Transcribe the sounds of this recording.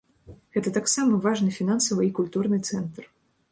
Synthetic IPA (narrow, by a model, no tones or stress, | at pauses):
ɣɛt̪ɐt̪aksamɐvaʐnɨfʲinansɐvɨikulʲt̪urnɨt̪sɛnt̪r